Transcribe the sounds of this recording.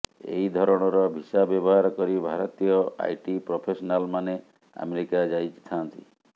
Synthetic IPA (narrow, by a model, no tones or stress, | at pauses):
ḛɦid̪ʱɔɾɔɽ̃ɔɾɔbʱisabjɔbɔɦaɾɔkɔɾibʱaɾɔt̪ijɔa̰jʈipɾopʰesɔnalmane | a̰meɾikad͡ʒajt͡ʃt̪ʰant̪ḭ